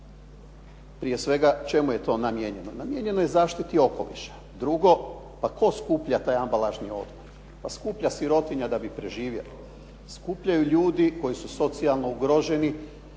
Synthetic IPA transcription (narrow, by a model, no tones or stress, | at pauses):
pɾie̞sʋe̞ɡat͡ʃe̞muje̞t̪o̞namjeɲe̞nonamjeɲe̞nojezaːʃt̪it̪io̞ko̞̰lḭʃḁ | d̪ɾuɡo̞ | pako̞skuːpʎat̪aːjambalaʒnio̰d̪moɾɾ | paskuːpʎasiɾo̞t̪iɲad̪abipɾe̞ʒiːʋje̞̰li | skuːpʎajuʎuːd̪iko̞jisuso̞t̪sialˠnouɡɾoʒe̞ni